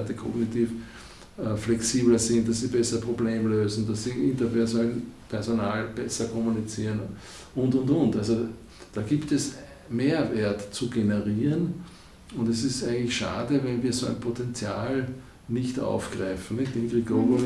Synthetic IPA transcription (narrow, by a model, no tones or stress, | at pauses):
təkʰɔ̰ɡnitiːf | flɛksiːblɐsɪnt̚d̥assibɛsɐpʁ̥obleːmløːzn̩d̥assiʔɪntɐpʰɛɐzonalnpʰɛɐzonaːlb̥ɛsɐkʰɔmʊnit͡siːʁən | ʔʊntʊntʊntalzo | d̥aːɡiːptɛs | meːɐveːɐtt͡suɡenəʁiːʁən | ʊndɛsɪstæɪɡəŋ̩lɪçʃa̰ːdəvɛnviːɐzoːæ̰ɪnpʰotɛnt͡sjaːl | nɪçta̰ʊfɡ̥ʁaɪfn̩nɪçtd̥inɡʁiɡoɡo